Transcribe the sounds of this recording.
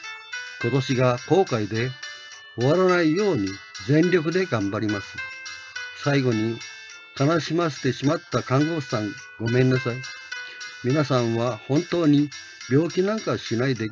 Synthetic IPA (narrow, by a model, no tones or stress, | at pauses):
ko̞t̪o̞ɕiɡako̞ːkaid̪e̞ | oβaɾanaijo̞ːɲ̟izẽ̞nɾʲo̞kɯ̟d̪e̞ɡãmbaɾʲimasɨ̥ | saiɡo̞ɲ̟i | kanaɕimaɕi̥t̪e̞ɕimat̪ːakãŋɡo̞ːɕsãŋ | ɡo̞mẽ̞nːasai | mʲinasãɰ̃βahõ̞nt̪o̞ːɲ̟i | bʲo̞ːkʲinãŋkaɕinaid̪e